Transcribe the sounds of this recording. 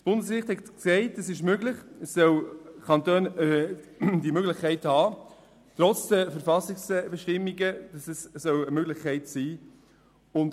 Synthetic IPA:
sb̥ʊndəskɾɪχthɛtksɛɪtəsɪʃ̬møɡlɪχɛsːœwkʰɑntøːn | dimøɡlɪχkʰːɛɪthɑː | t̪ɾɔt͡sd̥əfəɾfɑsɪksb̥ɛʃtɪmːɪɡəd̥sɛsːœwəmøɡlɪχkʰɛɪtsiː | ʊnt

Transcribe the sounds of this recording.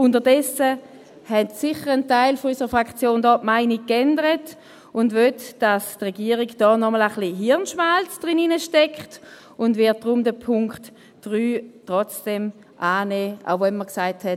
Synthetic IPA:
ʊntəɐdɛsə | hɛtsɪχəʁəntaɪlfɔysəʁəfʁakχt͡sjoːndɔtmaɪnikkːɛndəʁət | ʊndvøtd̥astʁɛɡiəʁiɡd̥ɔːnɔmələχliɦiɐnʃmalt͡sd̥ʁininəʃtɛkχt | ʊndvɪɐt̚d̥ʁʊmdəpʰʊŋkt | d̥ʁyːtʁɔt͡sd̥ɛm | ʔaːneːa̰ʊvɛnməʁksaɪthɛt

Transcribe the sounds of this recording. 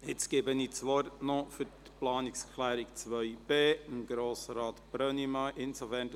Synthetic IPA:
ɪt͡sɡ̥eːbənit͡sʋɔɾtnofytplɑːnɪkskʰlæːɾɪkt͡sʋœʏb̥eːɪmɡ̥ɾoːsɾɑːt̪b̥ɾœnimaɪʔɪnsofɛːn

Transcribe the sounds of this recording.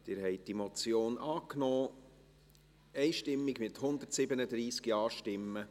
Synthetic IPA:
d̪̥ɪːɾhɛɪt̚d̥imɔt͡sjoːnʔɑːknɔː | ɛɪʃtɪmːɪɡmɪthʊnd̪ərtsɪbənəd̪ɾiːskjɑːʃtɪmːə

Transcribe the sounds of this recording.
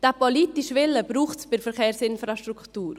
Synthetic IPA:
d̥apoliːtiʃʋɪləbɾuːχtsb̥ɪɾfəɾχeːɾsɪnfɾaʃtɾuktuːɾ

